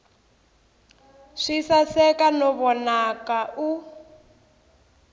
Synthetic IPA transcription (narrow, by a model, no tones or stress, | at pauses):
ʂisasɛkanɔβɔnakaʔu